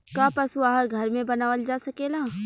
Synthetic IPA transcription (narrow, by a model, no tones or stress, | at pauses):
kaːpɐsuaːɦəɾɡʱɐɾmẽbɐnaːʋəld͡ʒaːsɐkeːlaː